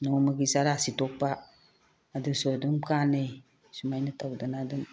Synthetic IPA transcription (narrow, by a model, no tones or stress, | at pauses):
nɔmaɡisaɾasitʰɔk̚paː | dusuduŋkanɯj | sumajnatʰawdanaduŋ